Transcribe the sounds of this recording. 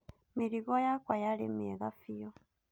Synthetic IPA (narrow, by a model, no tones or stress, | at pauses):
miɾiɣɔjakwajalemɛɣafijɔ